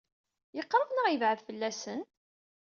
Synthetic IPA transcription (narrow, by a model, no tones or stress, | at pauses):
jəqːɾˤəvnəʁjəvʕəðfəlːæsən